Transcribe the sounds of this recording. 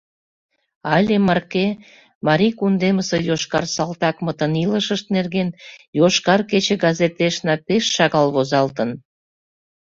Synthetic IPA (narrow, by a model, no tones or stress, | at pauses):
ɑlʲemɑrke | mɑɾikund̪eməsejoʃkɑrsɑlt̪ɑkmət̪əniləʃəʃt̪̚nerɣenjoʃkɑrket͡ɕeɡɑzet̪eʃnɑpeʃːɑɣɑlβozɑlt̪ən